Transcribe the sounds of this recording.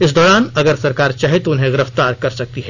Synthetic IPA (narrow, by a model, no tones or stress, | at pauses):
ɪsd̪ɔːɾaːnɐɡəɾsɐɾkaːɾt͡ʃaːɦet̪oʊnɦẽɡɪɾəft̪aːɾkɐɾsɐk̚t̪iɦɛː